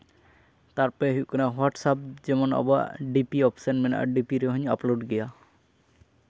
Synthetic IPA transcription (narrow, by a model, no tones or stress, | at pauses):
t̪aɹpɛɦiukʰɔnawaʈsap̚zɛmɔna̰ba̰ʔɖipiɔpsɔnmɛnʔa̰ɖipiɾɛɦɔɲaploɖɡɛja